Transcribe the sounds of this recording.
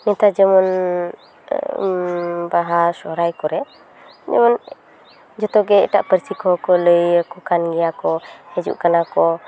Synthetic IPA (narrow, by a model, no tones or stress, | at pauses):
nɛt̪ad͡ʒəmɔn | baɦasɔhɾajkɔɾɛ | d͡ʒɛ̰mɔn | d͡ʒɔt̪ɔɡɛɛ̰ʈaʔpəɾsikɔɦɔkɔləjəkukanɡɛjakɔhɛd͡ʒṵʔkanakɔ